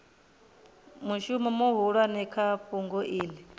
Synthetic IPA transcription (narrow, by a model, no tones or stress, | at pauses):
muʃumɛmuɦuɺwanɛkʰaɸuŋɡɔʔiːli